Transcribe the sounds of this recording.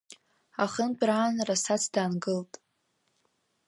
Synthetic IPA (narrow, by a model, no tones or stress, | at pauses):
aχənpʷʼraːnrasat͡sʰdaːnɡɨltʼ